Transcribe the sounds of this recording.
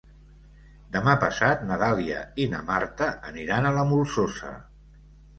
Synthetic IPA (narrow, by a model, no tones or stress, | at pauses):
d̪əmapəsat̪nəðaliə̰inə̰mart̪əəniɾanələmulˠsosə̰